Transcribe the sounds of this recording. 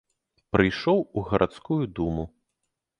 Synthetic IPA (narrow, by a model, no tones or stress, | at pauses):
pɾɨjʂɔwuɣɐɾʔat̪skujud̪umu